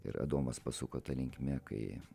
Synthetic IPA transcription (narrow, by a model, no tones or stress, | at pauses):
ɪ̰ɾɐ̰d̪oːmɐspɐsuːkoːt̪ɐlʲɪŋkmʲɛkɐ̰ɪ